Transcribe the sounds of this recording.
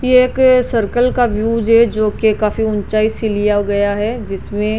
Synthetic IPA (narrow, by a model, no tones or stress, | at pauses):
jeːksɐɾkəlkaʋjuːd͡ʒɦɛd͡ʒoːkekaːfiʊnt͡ʃaːisɪlijaɡɐjaɦɛd͡ʒɪsmẽ